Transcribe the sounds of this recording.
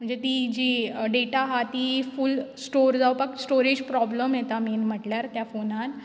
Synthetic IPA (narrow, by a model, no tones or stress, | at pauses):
m̤əɳnd͡zet̪id͡ʑiɖeʈaɦat̪ifulsʈoɾd͡zawpaksʈoɾid͡ʑpɾɔbləmjet̪amiːnm̤əʈljaɾt̪jafonan